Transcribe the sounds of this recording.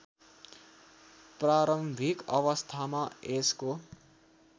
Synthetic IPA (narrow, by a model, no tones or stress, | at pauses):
praɾʌmbʱikʌwʌst̪ʰamaesko